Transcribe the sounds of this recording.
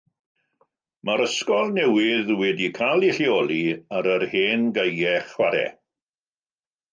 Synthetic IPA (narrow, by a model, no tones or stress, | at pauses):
maɾəskɔlˠnɛwɪðwɛdikʰalˠiɬiɔːliaɾərheːnɡəjɛχwaɾɛ̰